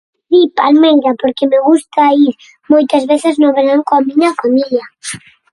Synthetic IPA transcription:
d̪ipalmejʎapoɾkemeɣust̪aiɾ | mojt̪azβeθɪznõβeɾaŋkoamĩɲafamila

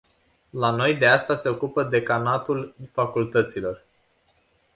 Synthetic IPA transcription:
lano̞jd̪e̞ast̪ase̞o̞kupəd̪e̞kanat̪ulfakult̪ət̪silo̞r

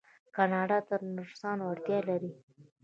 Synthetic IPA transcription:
kɑnɑɖɑt̪əɾnʊɾsɑnwaɽt̪jɑlaɾi

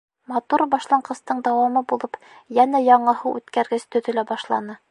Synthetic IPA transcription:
mɑt̪uɾbɒʃlˠɑɴɢɤ̆st̪ɤɴd̪æwɑmɤbulˠɤp | jænæjɒɴɤ̆hɤʔʉ̰t̪kæɾɡɘst̪ɵ̆ðɵ̆læbɒʃlˠɑ̰nɤ

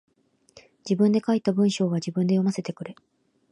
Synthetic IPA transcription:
d͡ʑibɯ̟̃nd̪e̞kait̪ːabɯ̟̃ɰ̃ɕo̞ːɡad͡ʑibɯ̟̃nd̪e̞jo̞mase̞t̪e̞kɯ̟ɾe̞

